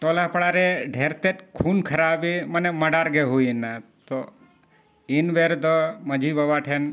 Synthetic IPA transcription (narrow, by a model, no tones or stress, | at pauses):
ʈolapəɽaɾeɖʱeɾt̪et̪kʰunkʰəɾabiməneməɖaɾɡeɦuinːat̪o | inbeɾd̪ɔməd͡ʒʱibəbaʈʰen